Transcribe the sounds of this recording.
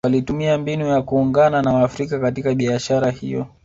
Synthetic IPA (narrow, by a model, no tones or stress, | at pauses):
walitumiambinujakuːŋɡananawafɾikakatikaɓiaʃaɾahḭjɔ̰